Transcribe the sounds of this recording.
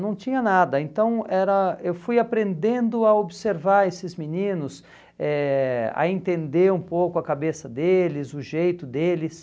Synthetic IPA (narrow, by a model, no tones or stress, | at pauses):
nɐ̃w̃t͡ʃĩɲɐnad̪ɐẽnt̪ɐ̃w̃ɛɾɐewfujapɾẽnd̪ẽnd̪ʊɐobɪseɾvaɾesɪzminĩnʊs | ɛɐ̰ẽnt̪ẽnd̪eɾũpowkʊɐkabesɐd̪elɪzʊʒejt̪ʊd̪elɪs